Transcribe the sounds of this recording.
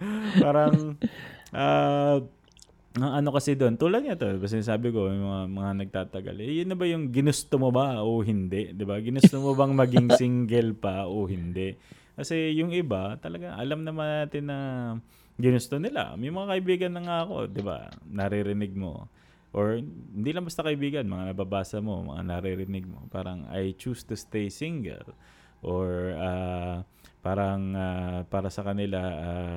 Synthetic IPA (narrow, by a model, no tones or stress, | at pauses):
paːɾɐŋ | ʔaː | ɐŋʔɐno̞kɐsɛd̪oʔont̪uːlɐd̪̚ɲŋat̪o̞d̪ɪbas̬ɪnaːs̬aːbɪko̞mjmɐŋamɐŋanɐɡ̚t̪aːt̪ɐɡa̰lʔɛjʊnːɐbajʊŋɡɪnʊst̪omobaʔoɦɪnd̪ɛʔd̪ɪbaɡɪnʊst̪omobɐŋmɐɡɪŋsɪŋɡɛlpɐʔohɪnd̪ɛʔ | kɐsɛjʊŋʔɪbat̪ɐlɐɡaŋʔɐ̰lamnɐmanːaːt̪ɪnːɐ | ɡɪnʊst̪o̞nɪla̰mɐjmɐŋakɐʔɪbiːɡɐnlɐŋaʔɐko̞̰d̪ɪba̰nɐɾɪɾɪnɪɡ̚mo̞̰ | ʔoɹhɪnd̪iːlɐŋbɐst̪akɐʔɪbiːɡɐnmɐŋanɐbaːbaːsɐmo̞̰mɐ̰ŋa̰nɐɾɪɾɪnɪɡ̚mo̰pa̰ːɾɐŋa̰jt͡ʃuːst̪ʊst̪ejsiŋɡɛ̰l | ʔoɹaː | paːɾɐŋapaːɾɐsɐkɐnɪlaa